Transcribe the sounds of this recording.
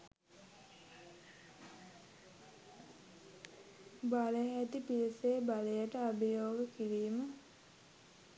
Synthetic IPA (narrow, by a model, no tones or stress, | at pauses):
baləɦæt̪ipieseːbalejəʈəabijoːɡəkiɾiːmə